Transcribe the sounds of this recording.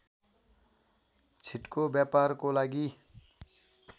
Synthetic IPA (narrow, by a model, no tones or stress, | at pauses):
t͡sʰiʈkobjapaɾkolaɡi